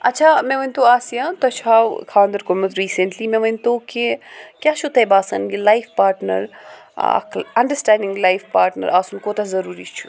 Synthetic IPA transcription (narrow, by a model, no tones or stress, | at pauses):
ɐtːt͡ʃʰaːmẽʋɐnʲt̪oaːsijãt̪oɐt͡ʃʰaːʋkʰaːnd̪ɐɾkomɐt̪ɾiːsẽɳʈlimẽʋɐnt̪okikʲjaːt͡ʃʰut̪ɐjbaːsɐnɡilajfpaːɾʈnɐ̰ɾ̰ | kʰɐ̃ɳɖəsʈãːɳɖɪ̃ŋɡlajfpaːɾʈnə̰ɾʔaːsunkoːt̪azɐɾuːɾit͡ʃʰu̥